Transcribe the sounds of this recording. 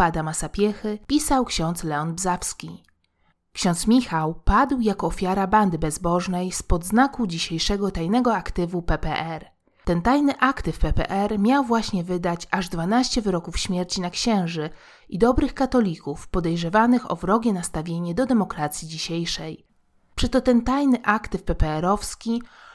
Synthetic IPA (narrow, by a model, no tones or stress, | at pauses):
ad̪amasapʲjɛxɘpʲisawkɕɔ̃nt̪slɛɔnbzafskʲi | kɕɔ̃nt̪smʲixawpad̪wjakɔːfʲjaɾaband̪ɘbɛzbɔʐnɛjspɔd̪znakud͡ʑiɕejʂɛɡɔt̪ajnɛɡɔakt̪ɘvupɛpɛʔɛɾ | t̪ɛnt̪ajnɘʔakt̪ɘfpɛpɛ̰ʔɛɾmʲjawvwaɕɲɛvɘd̪at͡ɕaʐd̪vanaɕt͡ɕɛvɘɾɔkufɕmʲjeɾt͡ɕinakɕɛ̃w̃ʐɘ | id̪ɔbɾɘxkat̪ɔlʲikufpɔd̪ɛjʐɛvanɘxɔ̰vɾɔɡʲɛnast̪avʲjeɲɛd̪ɔd̪ɛmɔkɾat̪sʲjid͡ʑiɕejʂɛj | pʂɛt̪ɔt̪ɛnt̪ajnɘʔakt̪ɘfpɛpɛɛɾɔfskʲi